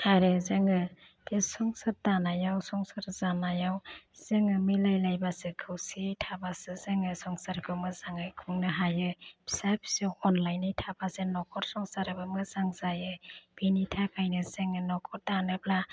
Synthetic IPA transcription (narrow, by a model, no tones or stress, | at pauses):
haɾezɯŋɯ | tesɔŋsɯɾ̚tanajawsɔŋsɯɾzanajawz̥eŋɯmilajlajbasɯkʰɯwsitʰabasɯzeŋɯsɔŋsaɾkʰɯmɯzaŋɯjkʰuŋnɯɦajɯpsapsewɔnlajnɯjtʰabasenɔkʰɔɾsɔŋsaɾɯbɯmɯzaŋzajɯb̥initʰakʰajnɯzeŋɯnɔkʰɔɾ̚tanɯpla